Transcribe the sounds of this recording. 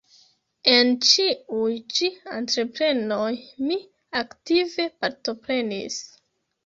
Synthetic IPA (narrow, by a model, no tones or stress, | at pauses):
ent͡ʃiujt͡ʃiantɾe̞pɾe̞no̞jmi | aktive̞paɾto̞pɾe̞nḭs